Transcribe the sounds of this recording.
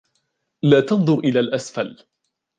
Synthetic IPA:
laːt̪ɑnðˤʊɾʔɪlaːlʔasfal

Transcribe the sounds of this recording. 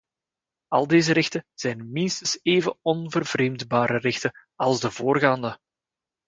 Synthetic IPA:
ɑ̰lˠdeːzəɾɪxtəz̥ɛjnmɪnstənseːvəɔnvərvreːmdbaːɾərɪxtə | ɑlˠzdəvoːrɣaːndə

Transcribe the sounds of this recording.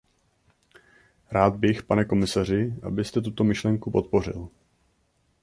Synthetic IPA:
ɾaːd̪̚bɪxpanɛko̞mɪsar̝ɪʔa̰bɪst̪ɛt̪ut̪o̞mɪʃlɛŋkupo̞t̪̚po̞r̝ɪ̰l

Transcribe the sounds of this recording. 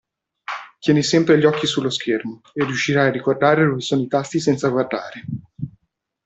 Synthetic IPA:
t̪jɛːnisɛmpɾeʎːɔkːisulːoskʰermo | erːijuʃːiɾajarːikord̪aːɾed̪ovesoːnoit̪ast̪isɛnt̪saɡward̪a̰ːɾe

